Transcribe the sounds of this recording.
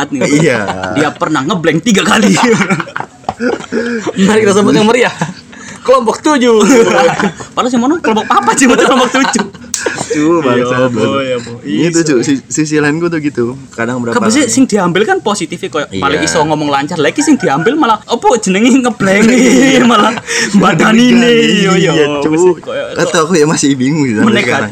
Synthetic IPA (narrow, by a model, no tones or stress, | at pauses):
t̪̚niiadiapərnahŋəblɛŋt̪iɡakali | ənaɾɪkɾas̬əbʊt̚ɲaməɾiah | kəlɔmpɔk̚t̪ud͡ʒu | palos̬imɔnɔkəlɔmpɔk̚papad͡ʒumut̪uklɔmpɔk̚t̪ud͡ʒu | t͡ʃuabjabɔiit̪ut͡ʃusisis̬ilaɪnɡut̪̬ʊɡit̪ukadaŋbəɾakabəs̬ɛsɪŋd̥̪iambɪlkanposit̪ifɪkojaʔmaleisɔŋɔmɔŋlaɲt͡ʃarlaɡisɪŋdiambɪlmalaɔpɔ̥d͡ʒ̥ənəŋiŋəb̥lɛŋimalambadaninejat͡ʃuat̪aakujaŋmasɪhbiŋud͡ʒit̪məneka